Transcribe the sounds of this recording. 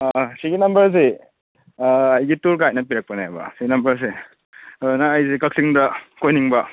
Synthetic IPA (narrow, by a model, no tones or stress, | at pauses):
siɡinɐmbɐɾs̬e | ɐjɡituɾɡaj̚nɐpiɾɐk̚pɐnebɐ̰siɡinɐmbɐɾs̬e | nɐːjzekɐksiŋdɐkojniŋbɐ